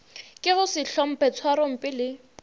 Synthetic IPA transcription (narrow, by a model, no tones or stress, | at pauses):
kʼɪɣʊsɪɬɔm̩pʰʼɛt͡sʰwaɾɔm̩pʼɪlɪ